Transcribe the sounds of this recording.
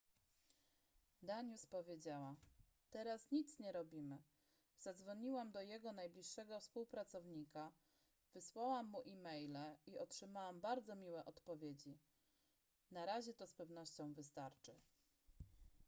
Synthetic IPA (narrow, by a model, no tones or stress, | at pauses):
d̪aɲuspɔvʲjed͡ʑawa | t̪ɛɾasɲit̪sɲɛɾɔbʲimɘ | z̥ad̪zvɔɲiwamd̪ɔjɛɡɔnajblʲiʂːɛɡɔfspuwpɾat̪sɔvɲika | vɘswawamːuʔimɛjlɛiɔtʂɘmawambaɾd̪zɔmʲiwɛʔɔt̪pɔvʲjed͡ʑi | naɾaʑɛt̪ɔspɛvnɔɕt͡ɕɔ̃w̃vɘst̪aɾt͡ʂɘ